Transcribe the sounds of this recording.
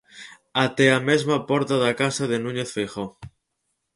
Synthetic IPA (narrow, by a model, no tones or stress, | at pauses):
at̪eamezmapɔɾt̪aðakasaðenũɲeθfejxo